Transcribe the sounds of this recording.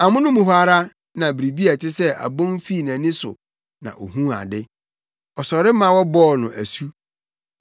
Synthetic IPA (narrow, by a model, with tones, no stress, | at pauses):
a˨mʊ̃˦nʊ̃˦mʊ̃˨ɦʷa˦ɾa˦ | nã˨bɾi˨bi˦a˨tʰɪ˦sɛ˦ʔa̰˨bɔ̃˦n˦fi˦˨nã˨nɪ̃˦sʊ̰˨ | nã̰˨ʔo˨ɦũ˦a̰˨dɪ˦ | ɔ˨sɔ˨ɾɪ˦mã˨wɔ˦bɔː˦˨nʊ̃˨ʔæ˨su˦